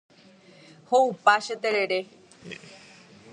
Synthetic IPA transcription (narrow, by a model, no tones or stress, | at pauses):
houpaʃet̪eɾeɾe